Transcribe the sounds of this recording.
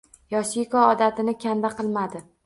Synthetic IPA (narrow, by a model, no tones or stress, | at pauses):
jɒʃikɒːd̪at̪ʰɪnɪkʲʰand̪aqʰɨlˠmad̪ɪ